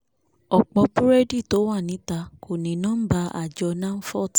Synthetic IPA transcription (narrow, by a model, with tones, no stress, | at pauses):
ɔ˨k͡pɔ˧pu˦ɾɛ˦di˦˨to˨˦wa˦˨nĩ˨˦ta˧kʰo˨nĩ˨nãː˦n̩˦ba˧˦a̰˨d͡ʒɔ˧nã˦n̩˦fɔ˦˨t